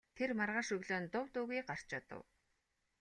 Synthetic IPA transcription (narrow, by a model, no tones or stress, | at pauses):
t̪ʰermarʁaːʃɵɣɮoːnt̪ʊwt̪uɣiːɢar̥t͡ɕɔt̪ə̰w